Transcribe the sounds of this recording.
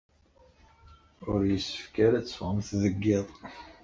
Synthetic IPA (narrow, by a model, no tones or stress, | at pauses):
ʊɾjəsːə̥fkæɾæt͡sːfʁəmθðəɡːɪðˤ